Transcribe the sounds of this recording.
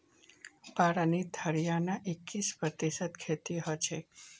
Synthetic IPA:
paɽanit̪ʰəɾjanaʔekːispɾət̪iʃət̪̚kʰet̪iɦot͡ʃʰe

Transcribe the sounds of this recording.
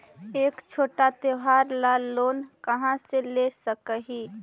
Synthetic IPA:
eːkt͡ʃʰoːʈat̪eɦaːɾlalːoːnkəɦãselesəkəɦi

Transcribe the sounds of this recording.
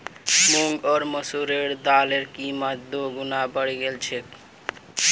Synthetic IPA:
muŋɡɔɾməsuɾeɾd̪aleɾkimat̪̚d̪oɡunabəɽiɡelt͡ɕʰek

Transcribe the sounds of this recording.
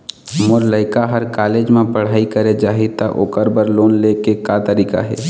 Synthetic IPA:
moɾləɪkaɦəɾkaːleːd͡ʒmẽpəɽ̤aːikəɾed͡ʒaːɦit̪əʔo̰ːkəɾbəɾloːnlekekat̪əɾiːka̰ɦɛ̰

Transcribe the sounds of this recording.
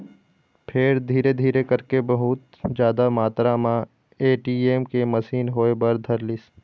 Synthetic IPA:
pʰɪɾd̪ʱiːɾed̪ʱiːɾekɐɾkebɐɦʊt̪ | d͡ʒjaːd̪amaːt̪ɾamã | eːʈiːeːmkemɐsiːnɦoːebɐɾd̪ʱɐɾlɪs

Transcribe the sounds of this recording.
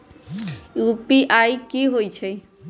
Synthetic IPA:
jupiʔajkiɦojt͡ʃʰe

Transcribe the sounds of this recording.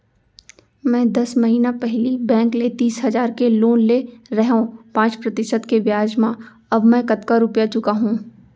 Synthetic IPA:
mɛ̃ːd̪ɐsmɐɦiːnapɛɦlibɛ̃ːŋklet̪iːsɦɐzaːɾkeloːnleɾɛɦõpãːt͡ʃpɾɐt̪ɪʃəd̪keʋjaːd͡ʒmã | ɐbmɛ̃kɐt̪kaɾʊpjat͡ʃʊkaɦũː

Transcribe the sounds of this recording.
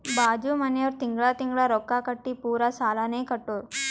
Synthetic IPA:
baːd͡ʒuːmɐnjɐʋɾt̪iŋɡɭaːt̪iŋɡɭaːɾɔkːaːkɐʈːipuːɾasaːlaːneːkɐʈːoːɾu

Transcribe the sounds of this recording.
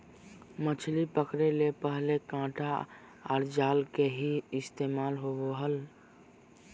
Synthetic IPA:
mət͡ʃʰlipəkɾelepəɦlekãːʈʰa | ɔːɾd͡ʒaːlkeɦiɪst̪eːmaːlɦooɦəl

